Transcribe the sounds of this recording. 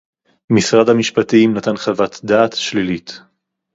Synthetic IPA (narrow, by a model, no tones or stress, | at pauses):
misʁadhamiʃpatiimnat̪anχavat̪daːt̪ʃlilit